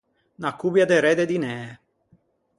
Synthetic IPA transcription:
nakːubjad̪eɾɛd̪ed̪inɛː

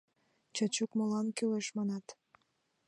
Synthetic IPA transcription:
t͡ɕɑt͡ɕukmolɑnkyleʃmɑnɑt̪

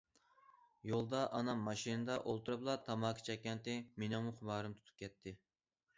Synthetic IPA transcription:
jolˠd̪ɑʔɑnɑmːɑʃinɨd̪ɑʔolˠt̪uɾɨblˠɑt̪ʰɑmɑːkʰi̥t͡ʃʰɛkʲːɛnt̪ɪmenɑmuχʰʊbɑːɾɨmt̪ʰu̥t̪ʰu̥p̚kʲʰɛt̪ʰːɪ

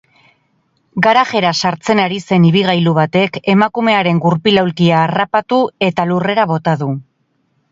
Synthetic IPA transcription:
ɡaɾaɣe̞ɾasaɾt͡se̞naɾise̞niβiɣ̞ajluβat̪e̞ke̞makume̞aɾe̞ŋɡuɾpilawlkiaːrapat̪ue̞t̪alure̞ɾaβo̞t̪aðu

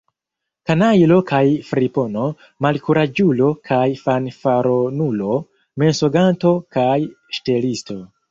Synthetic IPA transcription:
kanajlo̞kʰajfɾipono̞ | malkuɾad͡ʒulo̞kʰajfanfaɾonulo̞ | me̞nsoɡanto̞kaj | ʃte̞listo̞

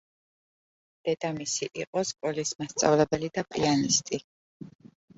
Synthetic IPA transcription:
d̪̥ɛd̪amisiʔiqʼɔskʼɔlismast̪sʼa̰vlɛbɛlid̪apʼianist̪ʼi

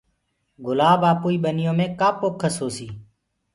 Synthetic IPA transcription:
ɡʊlaːbaːpuːiːɓənɪjõːmẽːkaːpoːkʰːəsoːsiː

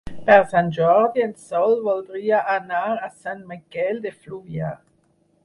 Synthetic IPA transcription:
pɛɾsanʒɔɾd̪iensɔlβɔld̪ɾiaʔanaɾasanmikɛld̪efluβja

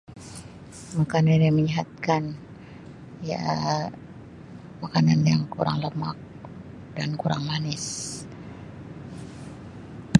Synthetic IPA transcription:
makaniniməɲiɦat̪̚kan | ja̰ | makananjaŋkuɾa̰ŋləmak̚ | dankuɾaŋmanɪs

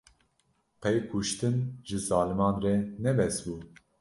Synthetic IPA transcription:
pʰɛjkʰuʃt̪ɨnʒɨzɑːlɨmɑːnrɛnɛbɛsbuː

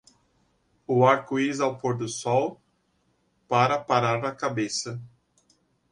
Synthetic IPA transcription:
ʊaɾkʊizawpoɾd̪ʊsɔw | paɾɐpaɾaɾɐkabesɐ

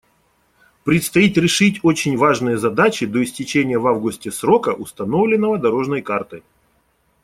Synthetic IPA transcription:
pɾʲɪt̪st̪ɐit̪ʲɾʲɪʂɨtʲo̞t͡ɕɪnʲvaʐnɨjəzɐd̪at͡ɕɪd̪o̞ɪsʲtʲɪt͡ɕenʲɪjəvavɡʊsʲtʲɪsɾo̞kəʔʊst̪ɐno̞vlʲɪnːəvəd̪ɐɾo̞ʐnəjkart̪ɨj

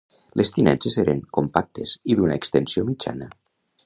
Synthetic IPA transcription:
lʔest̪inɛ̰nseseɾeŋkompak̚t̪ʰeziðunaekst̪ensiomid͡ʒa̰nə

